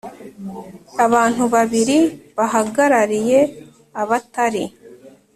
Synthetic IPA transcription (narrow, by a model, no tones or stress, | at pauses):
aβaːn̥huβaβiɾiβaɦaɡaɾaɾije̞ | aβataɾi